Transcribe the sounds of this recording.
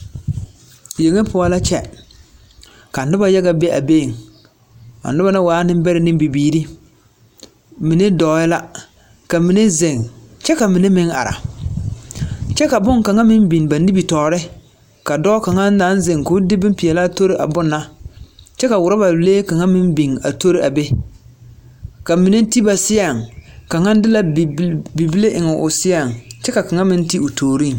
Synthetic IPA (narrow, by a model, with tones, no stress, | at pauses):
je˨ŋe˦pʊ˨˦a˦la˦t͡ʃɛ˦ | ka˨nʊ˦ba˦ja˦ɡa˨be˦ʔa̰˨be˦˨ŋ | a̰˨nʊ˦ba˦nɪ˦waː˨˦nɪ˦m˦bɛ˦ɾɪ˦˨nɪ˦mbi˨biː˨ɾi˦ | mɪ˨ne˦dɔː˨˦ɪ˦la˦ | ka˨mi˨ne˦ze˨ŋt͡ʃɛ˦ka˨mɪ˨ne˦mɪ˦ŋa̰˨ɾa̰˨ | t͡ʃɛ˦ka˨bʊ˦ŋka˨ŋa˦mɪ˦m˦bi˨n˨ba˨ni˦bi˨tɔː˨ɾɪ˦ | ka˨dɔː˦ka˨ŋa˦n˦da˦n˦ze˨ŋkʊ˦dɪ˦bɪ˦m˦pi˨ɛ˨la˦to˦ɾɪ˦ʔa̰˨bʊ˦nːa˦t͡ʃɛ˦ka˨wʊ˨ɾa˦ba˨leː˦ka˨ŋa˦mɪ˦n˦bi˨ŋa̰˨to˦ɾi˦a˨be˦ | ka˨mi˨ne˦ti˦ba˨sɪ˦a˨ŋka˨ŋa˦n˦dɪ˦la˦˨bi˨bi˦le˦ʔɪ˨ŋɛ˨ʔʊ˨sɪ˦a˨ŋt͡ʃɛ˦ka˨ka˨ŋa˦mɪ˦n˦ti˦ʊ˨tʰoː˨ɾi˦˨ŋ